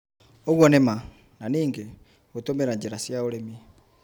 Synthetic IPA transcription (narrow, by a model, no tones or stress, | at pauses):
oɣwɔnema | naniːŋɡe | ɣotomeɾaɲd͡ʒeɾasjaoɾemi